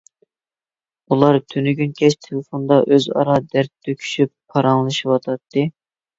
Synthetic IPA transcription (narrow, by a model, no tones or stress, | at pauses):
ulˠɑɾt̪ʰynyɡʲynkʲʰɛt͡ʃt̪ʰelɨfond̪ɑʔøzɑ̰ɾɑd̪æɾt̪ːøkʲʰy̥ʃypʰːɑɾɑŋlˠɨʃɨwɑt̪ʰɑt̪ːɨ